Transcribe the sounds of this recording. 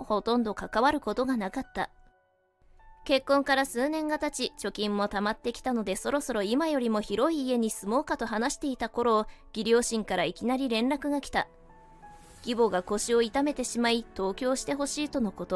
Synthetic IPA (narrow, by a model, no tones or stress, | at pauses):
ho̞t̪õ̞nd̪o̞kakaβaɾɯ̟ko̞t̪o̞ɡanakat̪ːa̰ | ke̞kːõ̞ŋkaɾasɨːnẽ̞ŋɡat̪at͡ɕit͡ɕo̞kʲĩmːo̞t̪amat̪ːe̞kʲi̥t̪ano̞d̪e̞so̞ɾo̞so̞ɾo̞imajo̞ɾʲimo̞çiɾo̞iːe̞ɲ̟isɨmo̞ːkat̪o̞ɦanaɕi̥t̪e̞it̪ako̞ɾo̞ːɡ̥ʲiɾʲo̞ːɕĩŋkaɾaikʲinaɾʲiɾẽ̞nɾakɯ̟ɡakʲi̥t̪a̰ | ɡʲibo̞ɡako̞ɕio̞it̪ame̞t̪e̞ɕimait̪o̞ːkʲo̞ːɕi̥t̪e̞ɦo̞ɕiːt̪o̞no̞ko̞t̪o̞